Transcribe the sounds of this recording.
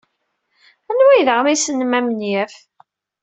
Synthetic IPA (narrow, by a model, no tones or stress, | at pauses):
ænwæjðəʁmisənəmæmənjæf